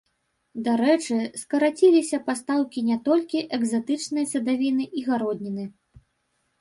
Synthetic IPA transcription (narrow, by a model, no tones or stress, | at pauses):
d̪aɾɛt͡ʂɨskɐɾat͡sʲilʲisʲɐpast̪awkʲinʲɛt̪ɔlʲkʲiʔɛɡzat̪ɨt͡ʂnɨjɐsɐd̪avʲinɨʔiɣaɾɔd̪ʲnʲinɨ